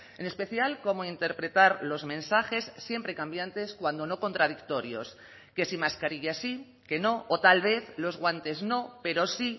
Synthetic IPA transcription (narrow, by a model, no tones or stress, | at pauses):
ene̞spe̞θjalko̞moint̪e̞ɾpɾe̞t̪aɾlo̞zmẽ̞nsaxe̞sːje̞mpɾe̞kambjant̪e̞skwand̪o̞no̞ko̞nt̪ɾaðikt̪o̞ɾjo̞̰s | ke̞simaskaɾiʝasi | ke̞no̞ot̪alβe̞θlo̞zɣwant̪e̞zno̞pe̞ɾo̞si